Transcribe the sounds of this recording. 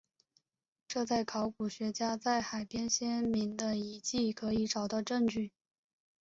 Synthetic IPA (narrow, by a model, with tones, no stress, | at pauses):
ʈ͡ʂɤ˥˧t͡sa˥˩ɪkʰɑ˧˥ʊku˨˩ɕɥɛ˧˥t͡ɕja˥t͡sa˥˩ɪxa˨˩ɪpjɛ˥nɕjɛ˥nmi˧˥ŋd̪ə˧i˧˥t͡ɕi˥˩kʰɤ˧˥i˧˥ʈ͡ʂɑ˨˩ʊt̪ɑ˥˧ʊʈ͡ʂɤ˥˧ŋt͡ɕy˥˩